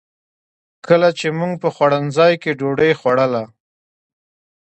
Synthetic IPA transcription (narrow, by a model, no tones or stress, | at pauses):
kʰəlat͡ʃemuŋɡpəxwaɽənzɑjkeɖoɖəjxwaɽəla